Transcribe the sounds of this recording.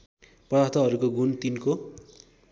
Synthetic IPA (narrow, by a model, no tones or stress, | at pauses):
pʌdat̪ʰʌɦʌɾukoɡunt̪inko